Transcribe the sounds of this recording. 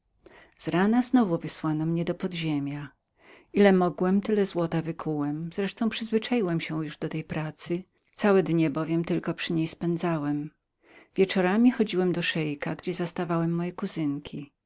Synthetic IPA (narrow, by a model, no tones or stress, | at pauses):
z̥ɾanaznɔvuvɘswanɔmɲɛd̪ɔpɔd̪ʑemʲja | ʔilɛmɔɡwɛmt̪ɘlɛzwɔt̪avɘkʰuwɛmz̥ɾɛʂt̪ɔ̃w̃pʂɘzvɘt͡ʂajiwɛmɕɛjuʐd̪ɔt̪ɛjpɾat̪sɘ | t̪sawɛd̪ɲɛbɔvʲjɛmt̪ɘlkɔpʂɘɲejspɛnd̪zawɛm | vʲjɛt͡ʂɔɾamʲixɔd͡ʑiwɛmd̪ɔʂɛjkaɡd͡ʑɛzast̪avawɛmːɔjɛkuzɘŋkʲʰi